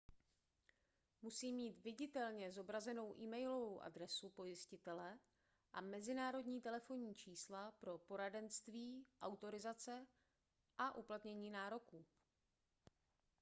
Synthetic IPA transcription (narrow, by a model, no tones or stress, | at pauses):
musiːmːiːt̪vɪɟɪt̪ɛlɲɛzo̞bɾazɛno̞wʔiːmɛjlo̞vowʔa̰d̪ɾɛsupo̞jɪscɪt̪ɛlɛ | ʔamɛzɪnaːɾo̞dɲiːt̪ɛlɛfo̞ɲiːt͡ʃiːslapɾo̞po̞ɾadɛnst̪viːʔawt̪o̞ɾɪzat͡sɛ | ʔaʔuplat̪ɲɛɲiːnaːɾo̞kuː